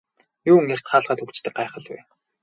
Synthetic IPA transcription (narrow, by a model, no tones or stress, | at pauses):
juːŋer̥t̪χaːɮʁaːt̪ʰɵkt͡ɕt̪ɘ̆k̚ɢajχə̆ɮwḛ